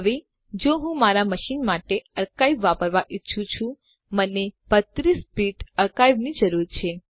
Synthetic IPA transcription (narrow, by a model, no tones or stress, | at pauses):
əʋe | d͡ʒoɦũmaɾaməʃinmaʈeəɾkaibʋːapəɾʋaʔitːʃʰũt͡ʃʰũ | məneb̥ət̪ɾispiʈəɾkaibnid͡ʒəɾuɾt͡ʃʰe